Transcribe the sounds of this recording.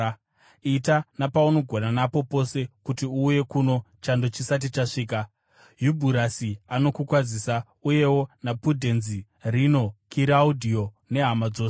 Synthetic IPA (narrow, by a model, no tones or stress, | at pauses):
itanapauno̞ɡʱo̞nanapo̞po̞se̞kutiuːje̞kuno̞ | t͡ʃando̞t͡ʃisat̬it͡ʃaʂiːk̬a | jubʱuɾasiano̞kukwad͡zisa | uje̞wo̞napudʱe̞nzi | rino̞kiɾaudʱio̞ | ne̞ɦamad͡zoːse